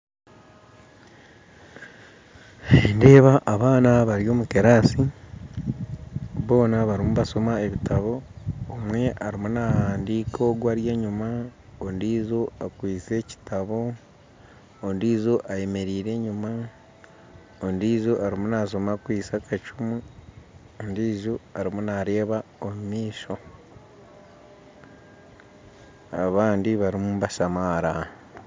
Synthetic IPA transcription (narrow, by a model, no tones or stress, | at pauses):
ende̞ːβaʔaβaːnaβaɾjo̞ːmuke̞ɾaːsi | βo̞ːnaβaɾimuβaso̞mae̞βitaβo̞ːmwe̞ʔaɾimunahaːndiːkʰo̞ɡwaːɾje̞ːɲumaondiːzo̞akwiːt͡se̞ci̥taβo̞ | ndiːzoʔaje̞me̞ɾiːɾe̞ɲuma | ondiːzoʔaɾimunaso̞makwiːsakʰat͡ʃumu | ondiːzoaɾimunaɾe̞ːβaomumiːʃo̞ | aβaːndiβaɾimumβaʃamaɾa